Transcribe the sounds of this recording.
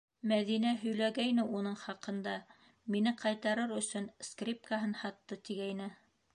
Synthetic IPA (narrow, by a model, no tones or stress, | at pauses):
mæðinæɦɵ̆jlæɡæjnɘunɤɴχɑqɤ̆nd̪ɑ | minɘqɑjt̪ɑɾɤɾɵ̆sɵnskrʲip̚kaɦɤnhɑt̪ːɤt̪iɡæjnɘ